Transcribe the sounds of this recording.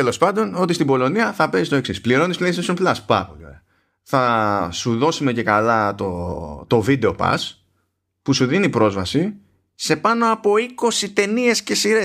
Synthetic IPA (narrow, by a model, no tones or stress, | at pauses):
t̪elospɐnd̪o̞no̞t̪ist̪ibo̞lo̞niɐθɐpe̞sist̪o̞e̞ksispliɾo̞nisplest̪esomplɐspɐ̰ɐpo̰lio̰ɾe | θɐsuðo̞sumece̞kɐlɐt̪ot̪o̞vid̪e̞o̞pɐ̰s | pusuðinipɾo̞zvɐsi | se̞pɐno̞ɐpo̞iko̞sit̪e̞nie̞sce̞siɾe